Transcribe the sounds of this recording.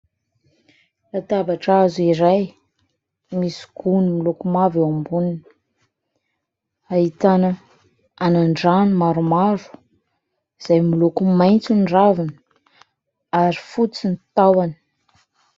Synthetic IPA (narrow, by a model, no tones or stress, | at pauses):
lat̪abaʈ͡ʂazuiɾaj | misi̥ɡ̥unimilukumaviambuninə | ait̪anə | anaɳɖ͡ʐanimaɾumaɾu̥ | iz̥ajmilukumajnt͡sunɖ͡ʐavinə̥ | aɾifut͡sinit̪awani̥